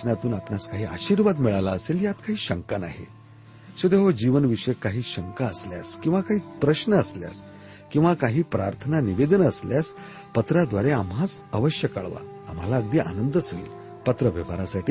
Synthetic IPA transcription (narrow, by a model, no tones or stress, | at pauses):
nat̪uːnapnaskaɦiːa̰ɕiːɾʋad̪miɭalaəseljat̪kaɦiːɕəŋkana̰ɦḛ | ɕod̪eɦod͡ʑiʋənʋiʂəjkaɦiːɕəŋkaəslja̰skĩw̃ʋakaɦiːpɾəɕnəəslja̰s | kĩw̃ʋakaɦiːpɾaɾt̪ʰənaniʋed̪ənəsljas | pət̪ɾad̪ʋaɾeamɦat͡səʋəɕjəka̰ɭʋa̰ | am̤alaəɡ̚d̪iːʔa̰nənd̪əsoḭːl | pət̪ɾəʋəʋaɾasaʈiː